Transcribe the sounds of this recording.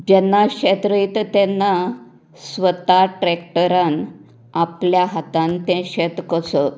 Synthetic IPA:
d͡ʑɛnːaɕɛt̪ɾəjt̪t̪ɛnːa | sʋət̪aʈɾɛkʈəɾãn | apljaɦat̪ãnt̪ɛ̃ɕɛt̪kəsə

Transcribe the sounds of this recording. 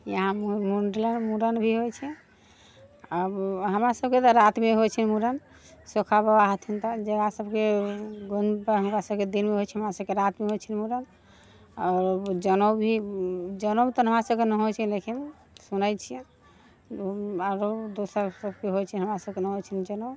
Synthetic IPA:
jəɦãmuɳɖilənmuɾənbʱiɦojt͡ʃʰɛ | abɦəmɾasəbket̪ɔɾat̪meɦojt͡ʃʰinmuɾən | sokʰabəaɦət̪ʰint̪ɔd͡ʒəɡasəbkeɡonpɦəmkasəbked̪ilmeɦot͡ʃʰiɦəmɾasəbkeɾat̪meɦot͡ʃʰinmuɾən | aɾd͡ʒənobʱid͡ʒənot̪ɔɦəmɾasəbkenəɦojt͡ʃʰilekin | sunəjt͡ʃʰijɛ̃ | aɾod̪osəɾsəbkeɦojt͡ʃʰɛɦəmɾasəbkenəɦot͡ʃʰind͡ʒəno

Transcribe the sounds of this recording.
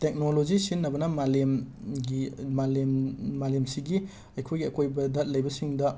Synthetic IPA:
tek̚nolod͡ʒisinːɐbɐnɐmalemɡimalemːalemsiɡi | ɐjkʰojɡiɐkojbɐdɐt̚lɐjbɐsiŋdɐ

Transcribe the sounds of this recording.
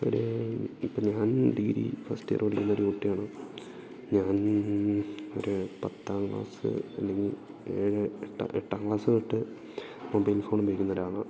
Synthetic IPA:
o̞̰ɾuipːoːɲaːnɖ̪iːɾḭfɐstɨj̰ɐ̰rpɐɽikʲːunːɐo̞ɾuuʈːijaːɳoː | ɲaːn | oɾupɐt̪ːaːŋɡɭa̰ːsɨ̰ɐlːe̞ŋɡil | eːɻɨeʈːa̰ʔeʈːaːŋɡɭaːsɨʋiʈːɨ | mobɐjlfo̞ːɳbɐjikʲːunːɐoɾaːɭɐ

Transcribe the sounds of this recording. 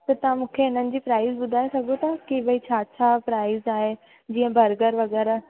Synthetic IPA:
t̪ɐt̪ɐʋãmũːkʰeɪnənɪ̆d͡ʑiːpɾaːɪzɓʊd̪ʱaːesɐɡʱot̪ɐkeːbəit͡ɕʰaːt͡ɕʰapɾaːɪzaːɦe | d͡ʑĩːə̃bʱɐɾɡəɾʋɐɣɛːɾa

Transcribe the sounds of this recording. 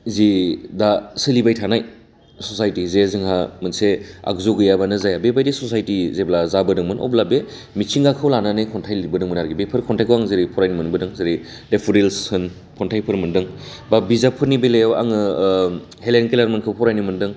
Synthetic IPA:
zidasɯlibajtʰanaj | sɔsajtizezɯŋɦamɯnsea̰kzoɡɯjabanɯzajabebajdisɔsajtizeblazabɯdɯŋmɯnɔ̰blabe | mit͡ʃʰiŋɡakʰɯwlananɯjkʰɔntʰajlibɯdɯŋmɯnaɾɡibepʰɯɾkʰɔntʰajkʰɯwaŋzeɾipʰɔɾajnimɯnbɯdɯŋzeɾi | depʰuɾelsɯn | pʰɔntʰajpʰɯɾmɯndɯŋbabizapʰɯɾnibelejawa̰ŋɯ | helenkelaɾmɯnkʰɯwpʰɔɾajnimɯndɯŋ

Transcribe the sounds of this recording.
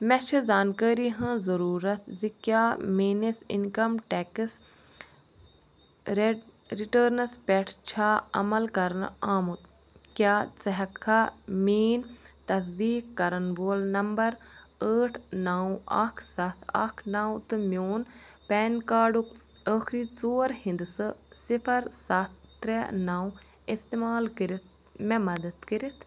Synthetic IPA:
mɛʃʰizaːnkəːɾiɦɐ̃zɐɾuːɾɐt̪ʰzikjaːmeːnisḭnkɐmʈɛkɨs | ɾiʈəːɾnɐspʲɛʈʰt͡ʃʰaːɐ̰mɐlkɐɾɐnaːmut̪ | kjaːt͡sɐɦɐkʰːamiːnt̪ɐs̬d̪iːkːɐɾɐnboːlnɐmbɐɾəːʈʰnaːwa̰kʰsɐt̪ʰɐ̰kʰnaːw̃t̪ɨmjoːnpɛːnkaːɖuk | əːxɾiːt͡soːɾhĩnd̪ɨsɨsipʰɐɾsɐt̪ʰːɾɛnaːw | ist̪emaːlkiɾit̪̚ʰ | mɛ̃mɐd̪ɐt̪kiɾit̪ʰ

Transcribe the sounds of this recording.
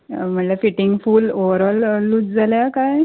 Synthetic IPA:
m̤əʈlafiʈiŋɡfuːloʋəɾɔlːuːt͡sd͡zʱaljakaj

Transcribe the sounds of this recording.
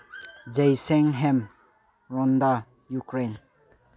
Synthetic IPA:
d͡ʒejseŋɦem | ɾɔnda | jukɾen

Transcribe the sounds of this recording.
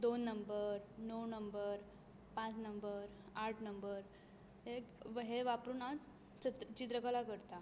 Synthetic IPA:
d̪onːəmbəɾnownəmbəɾ | pãt͡snəmbəɾ | aɾʈʰnəmbəɾ | ekʋəɦeʋapɾuːnaʋt̪ | t͡ɕit̪ɾəkəlakəɾt̪a

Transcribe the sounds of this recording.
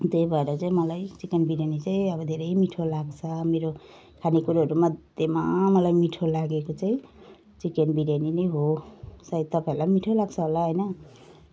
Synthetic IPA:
t̪ejbʱʌeɾʌt͡saĩmʌlajt͡sikenbiɾjanit͡saĩʌbʌd̪ʱeɾʌjmiʈʰolaɡt͡sʰʌmeɾo | kʰanikuɾaɦʌɾumʌd̪jemamʌlajmiʈʰolaɡekot͡saĩ | t͡sikenbiɾjaninʌjɦosait̪ʌpaĩuɾlajmiʈʰolaɡt͡sʰʌɦolaɦojnʌ

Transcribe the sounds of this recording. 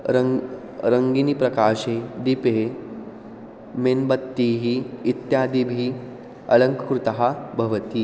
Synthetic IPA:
ɾə | ɾəŋɡinipɾɐkaɕed̪ipe | menbət̪ːiɦiːt̪jad̪ibʱiː | ɐ̰ləŋkəkɾut̪əɦabʱɐʋət̪iː

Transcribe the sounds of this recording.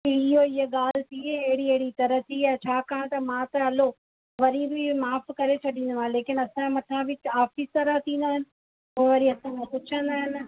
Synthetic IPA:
ɪɦoɪɦeɠaːl̤ɪt̪ʰieɐɦɪɽiɐɦɪɽit̪ɐɾəɦt̪ʰiãt͡ɕʰaːkaɽ̃t̪ɐmãːt̪ɐɦɐlo | ʋɐɾibʱimaːfkɐɾet͡ɕʰɐɗĩːn̆d̪oãːɦẽleːkɪnɐsãmɐtʰãbʱɪaːfist̪ɐɾət̪ʰĩːn̆d̪aːɦɪnɪ̆ | oːʋɐɾiɐsãkʰẽpʊt͡ʃʰə̃nd̪aːɦɪnɪ̆

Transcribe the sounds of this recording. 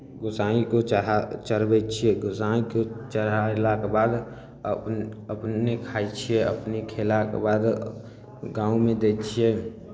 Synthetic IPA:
ɡʊsaikot͡ʃat͡ʃəɾbɛt͡ʃʰieɡʊsaikot͡ʃəɾalakebaːd̪ | əəpnekʰaːt͡ʃʰijeə̰pnikʰelakḛbaːd̪ | ɡãːumẽd̪et͡ʃʰie

